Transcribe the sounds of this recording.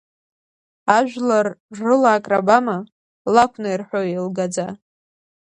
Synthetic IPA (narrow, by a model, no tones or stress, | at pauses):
aʒᶣʷlarːɨlaːkʼrabama | lakʷʰnajrħʷᶣoilɡad͡za